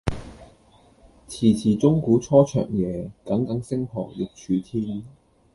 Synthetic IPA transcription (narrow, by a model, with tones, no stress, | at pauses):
t͡sʰiː˨˩t͡sʰiː˨˩t͡sʊ˥ŋkuː˨˥t͡sʰɔː˥t͡ʃʰœ̰ː˨˩ŋjɛː˨˧kɐ˨˥ŋkɐ˨˥ŋsɪ˥ŋhʰɔ̰ː˨˩ŋjɪ˨k̚t͡ʃʰyː˨˧t̪ʰiː˥n